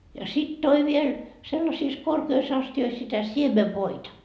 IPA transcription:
jɑ sit toi ʋiel selːɑsiːs korkeis ɑstiois sitæ siemeʋːoitɑ

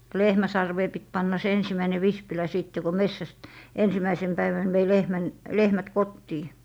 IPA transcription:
lehmæ sɑrʋeː pit pɑnːɑ se ensimːæine ʋispilæ siˑtːe ko mesːæst ensimæisen pæiʋæn ʋei lehmæn lehmæt kotːiː

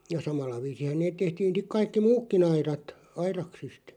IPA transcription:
jɑ sɑmɑlːɑ ʋiːsihæ neːt̆ tehtiːn̞ sik̆ kɑikːi muːkːin ɑirɑt ɑirɑksist

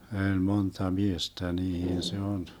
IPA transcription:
øˑlʲ montɑ miestæ niːhin se on

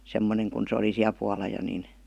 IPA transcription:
semːoneŋ kun se oli siæl puɑlɑ jo nin

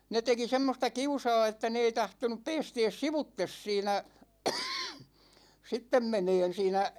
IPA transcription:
ne teki semːostɑ kiusɑ̝ː etːæ ne ei tɑhtonup peːsteːs siʋutːes siːnæ sitːem meneːn siːnæ

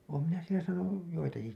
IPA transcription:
oːm minæ sielæ sɑːnuj joitɑki

